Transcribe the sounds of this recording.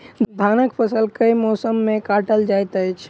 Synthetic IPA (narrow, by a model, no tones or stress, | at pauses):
d̪ʱaːnəkpʰəsəlkəjmɔsəmːẽkaʈəld͡ʒajt̪əjt͡ʃʰ